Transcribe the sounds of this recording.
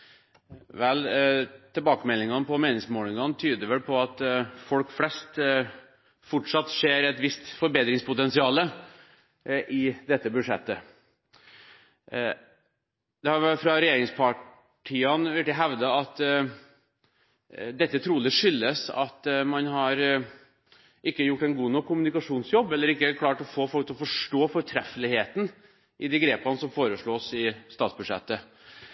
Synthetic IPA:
ʋɛlt̪ʰɪlbɑːkəmɛlːɪŋɑnpʰɔmeːnɪŋsmoːlɪŋɑnt̪ʰyːd̪əɾʋɛlpʰɔɑt̪fɔlkflɛst̪ | fɔʈʂɑt̪ːʂeːɾɛt̪ʋɪst̪fɔɾbeːt̪ɾɪŋspʊt̪ɛnsɪɑːlə | ʔɪd̪ɛt̪ːəbʉd̪ʂɛ̰t̪ːə | d̪̥ɛhɑɾʋɛfɾɑɾɛjeːɾɪŋspʰɑ | ʈʰiːɑnʋɛʈɪɦæʋd̪ɑɑt̪ | d̪ɛt̪ːət̪ʰɾuːlɪʂʏlːəsɑ̰t̪mɑnɦɑɾ | ʔɪkːəjʊʈːɛnɡuːnɔkʰːʊmʉnɪkɑʂuːnsjɔbːɛlːəɾɪkːəkʰlɑːʈɔfoːfɔlk̚t̪ʰɔfɔʂʈoːfɔɾʈʰɾɛfəlɪheːt̪n̩ | ʔɪd̪iːɡɾeːpɑnəsɔmfoːɾəʂɭoːsɪst̪ɑːt̪sbʉd̪ʂɛ̰t̪ːə

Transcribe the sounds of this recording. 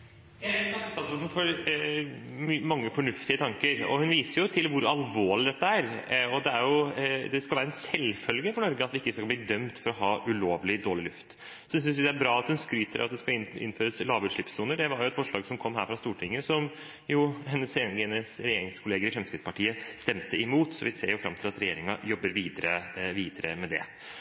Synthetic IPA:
ɑsɑsn̩fɔɾ | mmɑŋːəfɔɳʉft̪ɪət̪ʰɑŋkəɾɔ̰hʉnʋiːsəɾjʊt̪ʰɪlʋʊɾɑlʋoːɭɪd̪ɛt̪ːəæːɾɔd̪ɛæɾjʊd̪ɛskɑlʋæːɾɛnsɛlfœlɡəfɔɳɔɾɡəɑt̪ʋɪɪkːəsɑlbliːd̪œmt̪fɔɾɔhɑːʔʉloːʋlɪd̪oːɭɪlʉft̪ | sʏnsjɛs̬ʏsdɛæɾbɾɑːɑt̪hʉnskɾyːt̪ʰəɾʔɑt̪̚d̪ɛskɑɪ̰nføːɾəslɑːʋʉt̪ʂɭɪpsuːnəɖɛʋɑɾjʊɛt̪fɔʂɭɑːɡsɔmkʰɔmːhæːɾfɾɑst̪uːʈʰɪŋːəsɔm | jʊhɛnːəsɛnɛnəsɾɛjeːɾɪŋskʰʊleːɡəɾɪfɾɛmskɾɪd̪spɑʈʰiːəst̪ɛmt̪əɪmuːt̪sɔ̰ʋɪseːɾjʊfɾɑ̰mt̪ʰɪlɑt̪ɾɛjeːɾɪŋɑjɔbːəɾʋiːd̪əɾəʋiːd̪əɾə̰mɛd̪ɛ̰

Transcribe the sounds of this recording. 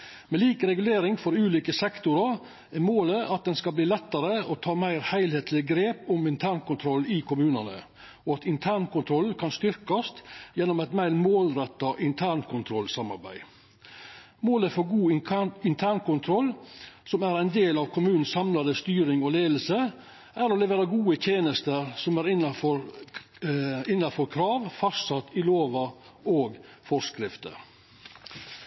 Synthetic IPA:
mɛliːkəɾɛɡʉleːɾɪŋfɔɾʉːliːkəsɛkt̪ʊɾɑ | ɛmoːləʔɑt̪̚d̪ɛnskɑbliːlɛt̪ːɑɾəɔt̪ʰɑːmæɪɾhæɪlheːt̪ʰlɪɡɾeːpʊmɪnt̪ʰæːɳkʰʊnt̪ʰɾɔlɪkʊmʉːnənə̰ | ɔɑt̪ɪnt̪ʰæːɳkʊnt̪ʰɾɔlkʰɑnst̪ʏɾkɑst̪jɛnːʊmɛɪt̪mæɪɾmoːlɾɛt̪ːɑʔɪnt̪ʰæːɳkʰʊnt̪ʰɾɔlsɑmɑ̰ɾbæ̰ɪ | moːləfɔɾɡuːɪnt̪ʰæːɳkʊnt̪ʰɾɔlːsɔmæɾæɪnd̪eːlɑːʋkʰʊmʉːn̩sɑmlɑd̪əst̪yːɾɪŋɔleːd̪l̩sə | ʔæɾɔlɛʋeːɾɑɡuːət̪ʰjeːnəst̪əɾsɔmæɾɪnɑfɔɾ | ɪnːɑfɔɾkʰɾɑːʋfɑst̪sɑt̪ːɪloːʋɑ | oːɡfɔskɾɪft̪ə̰

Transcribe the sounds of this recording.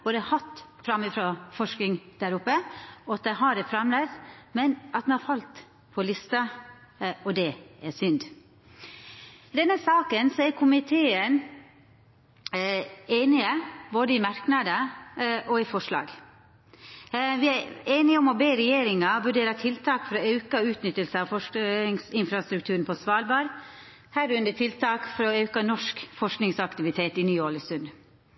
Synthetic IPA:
boːd̪əhɑt̪ːfɾɑmːɪfɾoːfɔʂknɪŋd̪̥æɾʊpːəɔɑt̪̚d̪ɛɦɑɾɛfɾɑmlɛmɛnɑt̪mɛnhɑɾfɑlt̪ | pʰɔlɪst̪ɑ | ɔd̪ɛæsʏnd̪ | d̪ɛnːəsɑːkənsɔæɾkʰʊmɪt̪ʰeːən | eːnɪəboːd̪əɪmɑɾknɑd̪əʔɔɪfɔʂɭɑ̰ːɡ | ʋɪæeːnɪɔmɔbeːɾɛjeːɾɪŋɑʋʉɖeːɾɑt̪ʰɪlt̪ʰɑːkfɔɾɔɑʉkɑʉːt̪nʏt̪ːəlsəɑʋfɔʂŋsɪnfɾɑst̪ɾʉk̚t̪ʰʉːɾn̩pʰɔsʋɑːlbɑːɾ | hæːɾʉnd̪əʈʰɪlt̪ʰɑːkfɔɾɔɑʉkɑnɔʂkfɔʂknɪŋsɑkt̪ɪʋɪt̪ʰeːt̪ɪnyːoːləsʉnd̪

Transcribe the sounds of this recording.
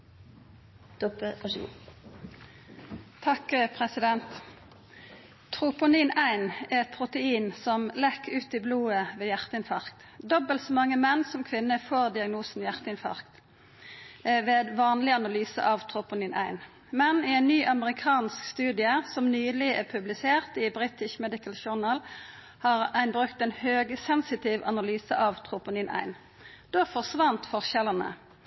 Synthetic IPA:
t̪ɔpəɑʂṵ | t̪ʰɑkpʰʁɛsɪd̪ɛnt̪ | t̪ʰʁʊpʊniːnæɪnɛʁɛt̪̚pʰʁʊt̪əiːnsɔmlɛkːʉːt̪ɪbluːəʋeːjæʁt̪əɪnfɑʁkt̪d̪ɔbəlt̪sɔmɑŋːəmɛnːsɔmkʰʋɪnːəfoːʁd̪ɪɑɡnuːsn̩jæʁt̪əɪnfɑ̰ʁkt̪ | ʋeːd̪ʋɑːnlɪɑnɑlyːsə̰ʔɑʋt̪ʰʁʊpʊniːnʔæ̰ɪn | mɛnɪæɪnːyːʔɑməʁɪkʰɑːnskst̪ʉːd̪ɪəsɔmnyːlɪʔɛpʰʉblɪseːʁt̪ɪbʁiːt̪ɪʃmɛd̪ɪkəlʃʊʁnɑːl | hɑːʁæɪnbʁʉkt̪ɛnhøːɡəsɛnsɪt̪ʰɪːʋɑnɑlyːsə̰ʔɑʋt̪ʰʁʊpʊniːnʔæ̰ɪn | d̪̥oːfɔʁʂʋɑnt̪fɔʁʃɛlənə̰

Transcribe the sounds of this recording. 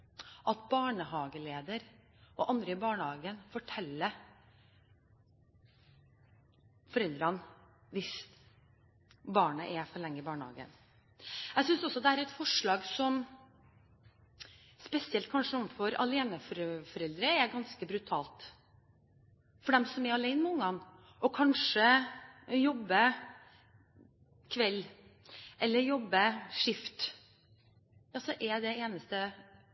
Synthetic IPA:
ʔɑt̪bɑːɳəhɑːɡəleːd̪əɾ | ʔɔʔɑnd̪ɾəɪbɑːɳəhɑːɡənfɔʈʰɛlːə | fɔɾɛld̪ɾɑn | ʋɪs | bɑːɳəʔɛfɔɭɛŋːəɪbɑːɳəhɑ̰ːɡə̰n | æsʏnsɔsɔd̪ɛæːɾɛt̪fɔʂɭɑːɡsɔm | spɛsɪɛlt̪̚kʰɑnʂəɔmfɔɾɑ̰leːnəfɔɾfɔɾɛld̪ɾəɛɾɡɑnskəbɾʉt̪ʰɑ̰ːlt̪ | fɔɖɛmsɔmɛɾɑlæɪnəmɛʊŋːɑn | ʔɔkʰɑnʂə | jɔbːə | kʰʋɛlː | ʔɛlːəɾjɔbːəʂɪft̪ | ɑsɔʔɛd̪ɛeːnəst̪ə

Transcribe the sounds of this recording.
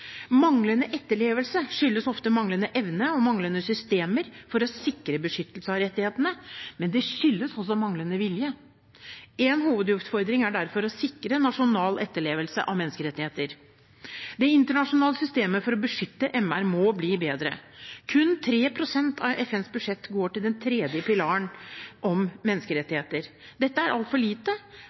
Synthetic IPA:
mɑŋlənəʔɛt̪ːəɭeːʋəlsəʂʏlːəsɔft̪əmɑŋlənəʔɛʋnəɔmɑŋlənəsʏst̪eːməɾfɔɾɔsɪkɾəbəʂʏt̪ːəlsəɑʋɾɛt̪ːɪheːt̪ənəmɛnd̪ɛʂʏlːəsɔs̬ɔmɑŋlənəʋɪljə | ɛnhuːʋəd̪jʉft̪fɔɾd̪ɾɪŋæɖæɾfɔɾɔsɪkɾənɑʂʊnɑːlɛt̪ːəɭeːʋəlsə̰ʔɑ̰ʋmɛnːəskəɾɛt̪ːɪheːt̪əɾ | d̪ɛɪnt̪əɳɑʂʊnɑːləsʏst̪eːməfɔɾɔbəʂʏt̪ːəʔɛmæɾmɔbliːbeːd̪ɾə̰kʰʉnt̪ʰɾeːpʰɾʊsɛnt̪ʰɑʋɛfɛnsbʉʂɛt̪ːɡoːʈɪld̪ɛnt̪ʰɾeːd̪jəpɪlɑːəɳʔɔmmɛnːəskəɾɛt̪ːɪheːt̪əɾ | d̪ɛt̪ːəæɾʔɑlt̪fɔɭiːt̪ə

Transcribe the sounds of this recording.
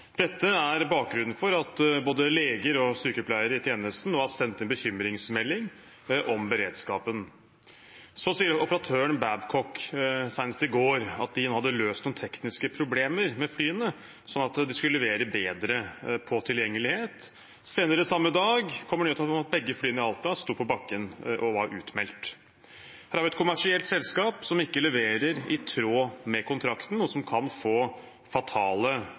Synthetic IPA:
d̪̥ɛt̪ːəæɾbɑːk̚ɡɾʉnn̩fɔɾɑt̪boːd̪əleːɡəɾɔsykəɔplæɪəɾɪt̪ʰjeːnəst̪n̩nuːɑsɛnt̪ːɛnbəçʏmɾɪŋsmɛlːɪŋ | ʔɔmbəɾḛːd̪skɑːpən | sɔsiːəɾɔpəɾɑt̪ʰøːəɳbæbkʰɔksæɪnəst̪ɪɡoːɾɑ̰t̪̚d̪ɪnoːhɑd̪ːəløːst̪nuːnt̪ʰɛknɪskəpʰɾʊbleːməɾmɛflyːənə | sɔnːɑt̪d̪ɪskʉllɛʋeːɾəbeːd̪ɾəpʰɔt̪ʰɪljɛŋːəlɪheːt̪ | seːnəɾəsɑmːəd̪ɑːɡkʰɔmːəɳøːt̪ʰɔmɑt̪̚bɛɡːəflyːənəɪɑlt̪ɑst̪uːpʰɔbɑkːənʔɔʋɑɾʉ̰ːt̪mɛlt̪ | hæɾæʋɪɛt̪kʰʊmæʂɪɛlt̪sɛlskɑːpsɔmɪkːəlɛʋeːɾəɾɪt̪ʰɾoːmɛkʰʊnt̪ʰɾɑkt̪n̩uːəsɔmkʰɑnfoː | fɑt̪ʰɑːlə

